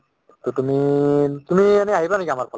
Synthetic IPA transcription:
tutumitumianɛaɦibanɛkiamaɹpʰɔl

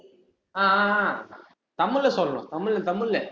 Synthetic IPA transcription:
aː | t̪ɐmːɯlːɛsɔlːɐɳʊ̰̃t̪ɐmːɯlːɛt̪ɐmːɯɭːɛ

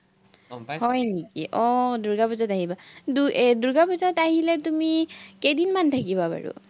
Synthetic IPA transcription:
hɔjnikḭʔɔduɹɡapɔzataɦibaduduɹɡapɔzataɦilɛtumikejdinmantʰakibaba̰ɹṵ

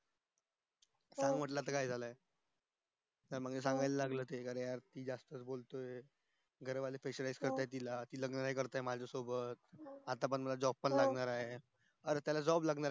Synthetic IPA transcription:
saŋməʈ̬lat̪əkajd͡zʱalae | t̪aɾmaɡd͡ʑes̬ãŋɡajlalaɡləːt̪ekaɾə̃jaɾt̪iːd͡zast̪ət͡sbolt̪oe | ɡʱəɾeʋalefeɕəɾajd͡zkəɾt̪ajt̪̬ilat̪iːləɡnənajkəɾt̪aemad͡zʱəsobət̪̚at̪apəɳm̤əlad͡zɔb̚pːənlaɡnaɾaɦe | əɾet̪jalad͡zɔblaɡnaɾa

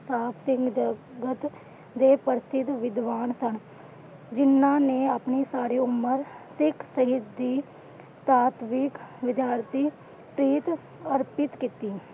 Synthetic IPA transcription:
saːpsɪ̃ŋɡd͡ʒəɡət̪ | d̪eːpəɾɪsɪd̪ʋɪd̪ʋaːnsən | d͡ʒɪnːãːneːaːpniːsaːɾiːʊmːəɾsɪkʰsəɦɪt̪̚d̪iː | t̪aːt̪ʋɪkʋɪd̪jaːɾt̪iː | pɾiːt̪ | əɾpɪt̪kiːt̪iː

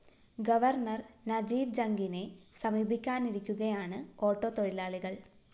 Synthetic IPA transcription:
ɡɐʋɐrɳɐrnɐd͡ʑiːʋd͡ʑɐŋɡine̞sɐmiːbikʲːaːniɾikʲːuɣɐjaːɳɨo̞ːʈːo̞ːt̪oɻilaːɭiɣɐɭ

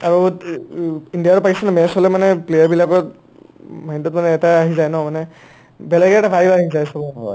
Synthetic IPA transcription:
aɹu | indijaɹɔpakisɛnɔmɛsɔlɛmanɛplejaɹbilakɔt | majntɔtmanɛːtaːɦizajnɔmanɛ | bɛlɛɡɛɛtabʱaɹibaɦizajsɔbɔ

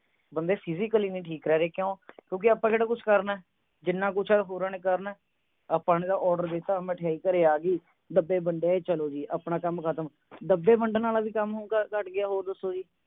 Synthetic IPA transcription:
bənd̪eːpʰɪziːkəliːnĩːʈʰiːkɾɛːɾeːkjõːkjõːk̬ɪəpːãːkeːɽaːkʊt͡ʃʰkəɾnɛː | d͡ʒɪnːãːk̬ʊt͡ʃʰaːɦoːɾaːneːkəɾnɛː | əpãːneːd̪aːʔɔːɾɖəɾd̪eːt̪aːmɛ̃ːʈʰjaːiːkəɾeːaːɡiː | d̪əbeːbəɳɖeaːeːt͡ʃəloːd͡ʒiːʔəpɳaːkəmkʰət̪əm | d̪əbːeːbəɳɖnaːlaːbiːkəmɦoːɡakəʈɡɪaːɦoːd̪ʊsːoːd͡ʒiː

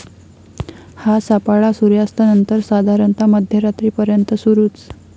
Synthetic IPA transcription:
hasapaɭasuɾjast̪anənt̪əɾsad̪ʱaɾənt̪aməd̪ʱjəɾat̪ɾiːpəɾjənt̪əsuɾuːt͡s

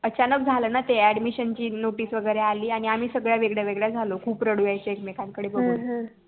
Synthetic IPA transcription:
ət͡ɕanəkd͡zʱaləːnat̪eæɽmiɕənt͡ɕiːnoʈiːsʋəɡəjɾealiːaɽ̃iam̤iːsəɡɭjaʋeɡɭjaʋeɡɭjad͡zʱalokʰuːpɾəɽujajt͡seekmekãnkəɽeːbəɡuːl

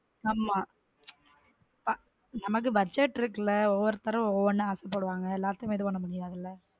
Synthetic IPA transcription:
aːmaː | pɐ | nɐmɐk̬ːɯbɐd͡ʒɛʈːɪɾɯk̬ːɯɭɐɔʋɐɾɯt̪ɐɾɐ̃ɔɔʋɐnːɯaːsɛp̬ːoːɽɯʋaːŋɡɐɛlːaːt̪ːemeːðɯpɐnːɐmːɐɳːɪɾaːðɪlːɐ

